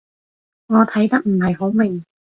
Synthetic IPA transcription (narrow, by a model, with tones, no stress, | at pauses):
ŋɔː˨˧t̪ʰɐ˨˥jt̪ɐ˥k̚m̩˨˩hɐ˨jɦo˨˥wmɪ˨ŋ